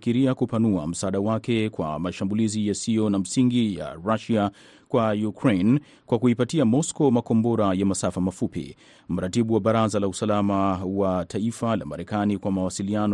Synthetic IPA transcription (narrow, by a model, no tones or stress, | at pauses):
kiɾiakupanua̰m̩saːɗawakɛkwa̰maʃambulizijasijɔnam̩siŋɡija̰ɾaʃia | kwajukɾen | kwakuipatiamɔskɔmakɔmbɔɾajamasafamafupḭ | m̩ɾatiɓuwaɓaɾazalausalamawatʰaifala̰maɾɛkanikwamawasilian